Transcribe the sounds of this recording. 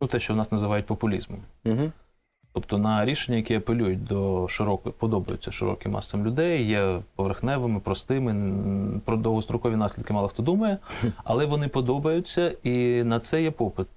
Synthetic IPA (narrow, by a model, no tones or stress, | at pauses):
nut̪ɛʃt͡ʃɔwnɑsnɐzɪʋɑjʊt̚ʲpɔpʊlʲḭzmɔmɦ | t̪ɔpt̪ɔnɐɾʲiʃenʲːɐjɐkʲɛɐpelʲujʊt̚ʲd̪ɔʃɪɾɔkpɔd̪ɔbɐjʊ̰t͡sʲːɐʃɪ̰ɾɔ̰kɪmːɑ̰sʋɐmlʲʊd̪ɛjːɛpɔʋerxnɛʋɪmɪpɾɔst̪ɪmɪpɾɔd̪owɦɔst̪ɾɔkɔʋʲinɑsʲid̪kɪmɑlˠɐxt̪ɔd̪umɐjɛɐ̰lˠɛʋɔnɪpɔd̪ɔbɐjʊt͡sʲːɐinɐt̪sɛjɛpɔpɪt̪̚